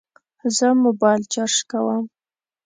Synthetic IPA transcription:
zəmʊbɑjlt͡ʃaɾʃkawəm

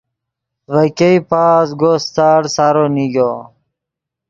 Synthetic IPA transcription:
ʋɐkeipaːsɡoːst̪aːɽsaɾoniɡoː

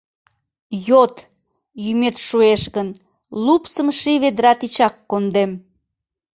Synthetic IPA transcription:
jot̪ | jymet̪ʃueʃɣən | lupsəmʃiβed̪ɾɑt̪it͡ɕɑkːond̪em

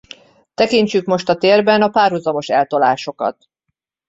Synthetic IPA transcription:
t̪ɛkiɲt͡ʃykmo̞ʃt̪ɒt̪eːrbɛnɒpaːrɦuzɒmo̞ʃɛlt̪o̞laːʃo̞kɒ̰t̪

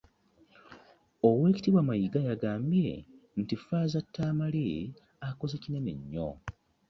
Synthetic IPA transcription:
owe̞ːci̥tiβwamajiɡajaɡaːmbje̞̰ntifaːzatːaːmale | ako̞zecinenḛɲːo̰

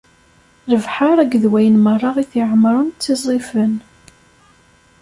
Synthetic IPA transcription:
ɾəvħaɾˤæɡðwæjənmərˤːɑʁiθiʕəmɾˤʊnt͡s̪t͡sːizˤifən

